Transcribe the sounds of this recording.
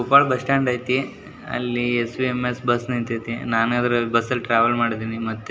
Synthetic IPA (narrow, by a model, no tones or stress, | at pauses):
upaːɭbɐsʈaːɳɖɐjt̪i | ɐ̰lːiesʋiemesbɐsnint̪ɐt̪inaːnad̪ɐɾɐbɐsːɐlʈɾaːʋɐlmaːɽid̪iːnimɐt̪ːe